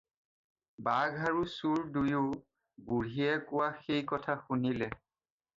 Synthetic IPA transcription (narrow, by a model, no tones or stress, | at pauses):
baɡʱaɹusuɹdujʊ | buɹijɛkʊwaxejkɔtʰaxunilɛ